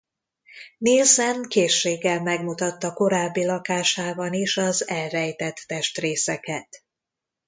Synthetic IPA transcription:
neːzɛnkeːʃːeːɡɛlmɛɡmut̪ɒt̪ːɒko̞ɾaːbːilɒkaːʃaːbɒniʃɒzɛlrɛjt̪ɛt̪ːɛʃt̪reːsɛkɛt̪

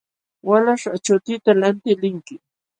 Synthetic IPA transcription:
walaʂat͡ʃʊt̪ɪt̪alant̪ɪlɪŋkɪ

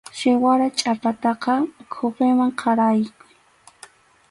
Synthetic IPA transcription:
ʃɪwaɾat͡ʃʼapat̪ɑqɑkʰoqɪmaŋqʰɑɾajkʊ

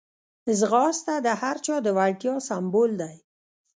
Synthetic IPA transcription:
zɣɑst̪ad̪əhaɾt͡ʃɑd̪əwaɽʈjɑsambold̪aj

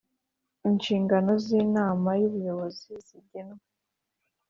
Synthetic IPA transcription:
inʃiːŋɡano̞ziːnaːmajuβujo̞βo̞ziz̥iɟenwe

